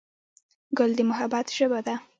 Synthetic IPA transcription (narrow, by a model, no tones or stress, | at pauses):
ɡʊld̪əmʊɦabat̪ʒ̥əbad̪a